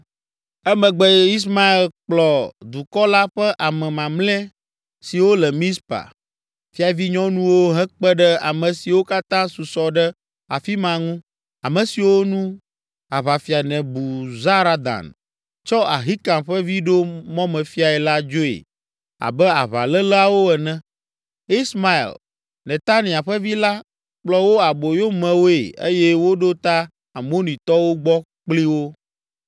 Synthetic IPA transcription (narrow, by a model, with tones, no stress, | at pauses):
ɛ˦mɛ̃˨ɡ͡bɛ˦i˦s̬ma˦e˨lk͡plɔ˨d̪u˨kɔ˦la˦ɸɛ˦ʔa˨mɛ̃˨mã˨mlɛ̃˦ | si˨wo˦lɛ˨mĩ˦spa̰˨ | fi˦a˨vi˦ɲɔ̃˦nũ˦wo˦ɦɛ˦k͡pɛ˦ɖɛ˦a̰˨mɛ̃˨si˨wo˦ka˦t̪ã˦su˨sɔ˨ɖɛ˦ | a̰˨fi˦mã˨ŋũ˦ | a˨mɛ̃˨si˨wo˦nũ˦ | a˨βa˨fi˨a˨nɛ̃˨bu˨za˦ɾa˦d̪a̰˨n | t͡ʃɔ˦a˨ɦi˦kã˨mɸɛ˦vi˦ɖo˦mɔ̃˦mɛ̃˨fi˦a˨ɛ˨la˦d͡ʒo˦ḛ˨ | a̰˨bɛ˦a̰˨βa̰˨lɛ˦la˨wo˦ɛ˨nɛ̃˦ | i˦sma˦ḭ˨l | nɛ̃˨t̪a˦nĩ˨a˨ɸɛ˦vi˦la˦ | k͡plɔ˦wo˦a˨bo˨jo˦mɛ̃˨wo˦ḛ˨ḛ˦jɛ˦wo˦ɖo˦t̪a˦ | a˨mo˦nĩ˨t̪ɔ˦wo˦ɡ͡bɔ˦ | k͡pli˦wo˦